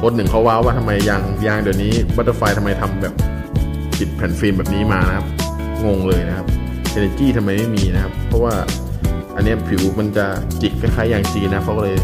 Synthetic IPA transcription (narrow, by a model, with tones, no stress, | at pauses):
kʰo˧˥n̚nɯ˨˩ŋkʰa˦˥waː˦˥waː˥˩t̪ʰa˧mːa˧jːaː˧˩ŋjaː˧˩ŋdi˨˩t̪̚niː˦˥˩ba˦˥a˧˩faː˧jt̪ʰa˧mːa˧jt̪ʰa˧mbɛː˨˩p̚ | pʰi˨˩t̪̚pʰɛː˩˦nfeː˧mbɛː˨˩p̚niː˦˥maː˧na˦˥kʰa˦˥p̚ | ŋo˧ŋlɤː˧jna˦˥kʰa˦˥p̚ | ʔe˧ne˧t͡ɕiː˥˩t̪ʰa˧mːa˧jma˥˩jmiː˧na˦˥kʰa˦˥pʰːɔ˦˥waː˥˩ | ʔa̰˧nːi˦˥ɐpʰi˨˩˦wma˧nt͡ɕa˨˩ | t͡ɕi˨˩k̚ʰːa˥˩jkʰaː˦˥˩jaː˨˩ŋt͡ɕiː˧na˦˥kʰa˦˥wkɔː˥˩lɤː˧j